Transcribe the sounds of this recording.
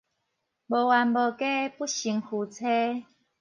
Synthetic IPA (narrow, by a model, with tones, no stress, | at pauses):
bo˨wa˨nbo˨ke˦pu˦ɕi˨˩ŋhu˨˩t͡sʰe˦